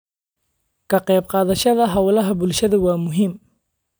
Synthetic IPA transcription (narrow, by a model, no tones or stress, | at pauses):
kʰɐqɛːbqɑːðɐʃɐðɐɦɐwlɐɦɐbʊlʃɐðɐwɑːmʊɦɪm